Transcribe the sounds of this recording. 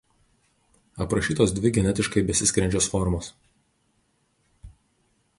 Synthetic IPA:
ɐpɾɐʃʲiːt̪oːsd̪ʲʋʲɪɡʲɛnʲɛt̪ʲɪʃkɐɪbʲɛsʲɪsʲkʲɾʲɛnʲd͡ʒʲoːsfɔɾmoːs

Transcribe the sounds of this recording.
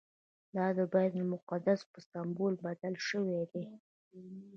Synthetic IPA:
d̪ɑd̪əbajd̪lmʊqad̪aspəsambolbad̪alʃəwed̪e

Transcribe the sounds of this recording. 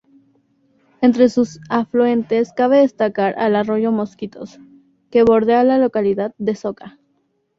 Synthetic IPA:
e̞nt̪ɾe̞susaflue̞nt̪e̞skaβe̞ðe̞st̪akaɾʔa̰laro̞ʝo̞mo̞skit̪o̞̰s | ke̞βo̞ɾðealalo̞kaliðaðd̪e̞so̞ka

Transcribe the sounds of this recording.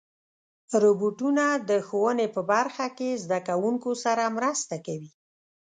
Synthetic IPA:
ɾoboʈunad̪əxowənepəbaɾxakezd̪akawuŋkosaɾamɾəst̪akawi

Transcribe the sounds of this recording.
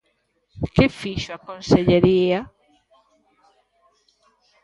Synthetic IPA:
kefiʃoakonseʎeɾia

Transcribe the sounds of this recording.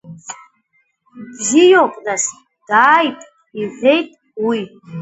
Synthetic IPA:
bzijopʼnas | d̥aːjtʼ | iʕʷejtʼ | wi

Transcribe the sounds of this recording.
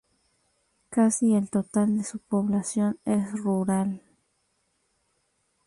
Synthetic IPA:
kasielt̪ot̪ald̪esupoβlasjo̞nesruɾal

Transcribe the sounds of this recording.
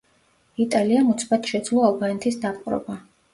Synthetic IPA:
it̪ʼaliamut̪sʰbat̪ʃɛd̪zlˠɔalˠbanɛt̪ʰisd̪apʼqʼɾɔ̰ba

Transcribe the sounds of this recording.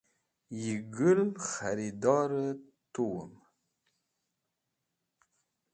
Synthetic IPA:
jiɡəlxaɾid̪ɑɾə | t̪uwə̰m

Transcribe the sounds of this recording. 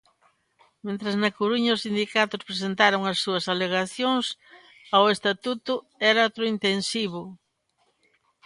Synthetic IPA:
mẽnt̪ɾɐznɐkuɾuɲɐʊsind̪ikat̪ʊspɾesent̪aɾʊŋɐsːuɐsaleɣaθjoŋs | awest̪at̪ut̪ʊ | ɛɾaat̪ɾʊint̪ensiβʊ

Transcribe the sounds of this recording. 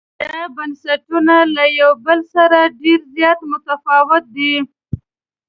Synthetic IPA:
d̪̥abansaʈunalajawbəlsaɾaɖeɾzjɑt̪mʊt̪afɑwɪt̪̚d̪i

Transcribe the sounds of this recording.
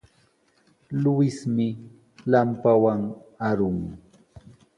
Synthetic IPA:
lʊwɪsmɪ | lampawaŋaɾʊŋ

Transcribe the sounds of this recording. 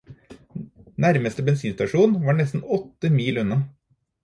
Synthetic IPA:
næɾməst̪əbɛnsiːnst̪ɑʂuːnʋɑːɳɛst̪n̩ɔt̪ːəmiːlʉnɑ

